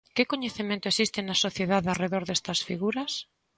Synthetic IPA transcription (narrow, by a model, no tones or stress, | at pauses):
kɪkoɲeθimẽnt̪ʊesist̪ɪnɐsoθjeðaðareðoɾðest̪ɐsfiɣuɾɐs